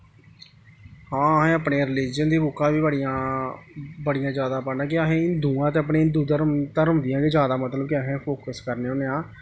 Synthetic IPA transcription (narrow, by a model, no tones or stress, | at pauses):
hãːəɦẽːəpɳeːɾɪliːd͡ʒənd̪iːbʊkʰːãːʋiːbəɽijãː | bəɽijãːd͡ʒjaːd̪aːpənãːk̬ɪaɦẽːɪnd̪uːãːt̪̬eːəp̬ɳeːnd̪uːd̪əɾt̪əɾʊmd̪ɪjãːɡeːd͡ʒjaːd̪aːmət̪ləb̚kɪəɦẽːpʰoːkəskəɾneːoːneːãː